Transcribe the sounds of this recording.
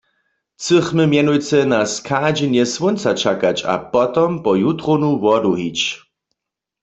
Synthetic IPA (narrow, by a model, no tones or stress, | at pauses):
t͡səχmɨmjɛnujt͡sɛnaskʰad͡ʒɛnjɛswont͡sat͡ʃʰakat͡ʃa̰pɔt̪ɔmpɔjut̪ʁonuwɔduɦit͡ʃ